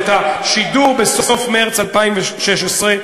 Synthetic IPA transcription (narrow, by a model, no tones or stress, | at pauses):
taʃiduːʁbɪsɔsɔfmɛʁt͡salpaɪmvʃɛʃasʁɪ